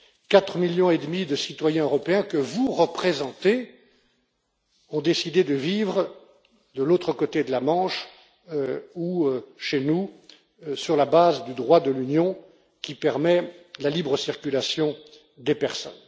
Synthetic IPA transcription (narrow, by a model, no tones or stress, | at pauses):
kat̪χəmiljɔ̃ed̪mid̪əsit̪wajɛ̃øʁɔpeɛ̃kəvuʁəpχezɑ̃t̪e | ɔ̃d̪esid̪ed̪əvivʁə | d̪əlot̪χəkot̪ed̪əlamɑ̃ʃ | uʃenu | syʁlabazd̪yd̪ʁwad̪əlynjɔ̃ | kʲipɛʁmɛlalibʁəsiʁkʲylasjɔ̃ | d̪epɛʁsɔ̰n